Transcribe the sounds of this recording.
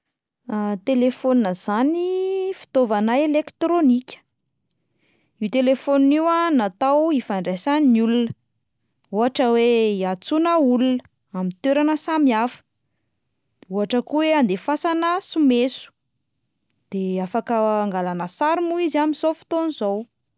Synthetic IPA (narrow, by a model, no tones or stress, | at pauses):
at̪elefonnəz̥anifi̥t̪ovanaelekt̪ɾonikʲə̥ | iwt̪elefonuiwanat̪awifaɳɖ͡ʐasaninulunə̥ | uɦaʈ͡ʂəweiat͡sunaulunə | amint̪eɾanəsamiafə̥ | uɦaʈ͡ʂəkuweand̪efasanəsumesu̥ | d̪̥eafakəːŋɡalanəsaɾimuiziamizofi̥t̪onizow